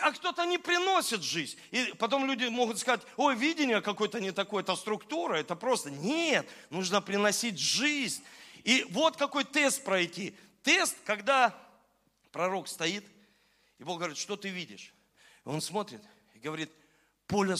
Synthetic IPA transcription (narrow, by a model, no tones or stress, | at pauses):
ɐkt̪o̞t̪ənʲɪpɾʲɪno̞sʲɪt̪ʐɨzʲnʲipɐt̪o̞mlʲudʲɪmo̞ɣʊt̪skɐzatʲo̞jvʲidʲɪnʲɪjəkɐko̞jt̪ənʲɪt̪ɐko̞jəɛt̪əst̪ɾʊkt̪uɾəɛt̪əpɾo̞st̪ənʲet̪nuʐnəpɾʲɪnɐsʲitʲʐɨzʲnʲivo̞t̪kɐko̞jt̪est̪̚pɾɐjtʲi | t̪est̪kɐɡd̪a | pɾɐɾo̞kst̪ɐit̪ | ɪboxɡəvɐɾʲit̪ʂt̪o̞t̪ɨvʲidʲɪʂ | o̞̰nsmo̞t̪ɾʲɪt̪ | ɪɡəvɐɾʲit̪̚ | po̞lʲə